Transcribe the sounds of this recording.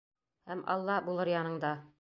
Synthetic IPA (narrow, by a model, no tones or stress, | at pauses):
hæmɑ̰lˠːɑbulˠɤɾjɑnɤ̆ɴd̪ɑ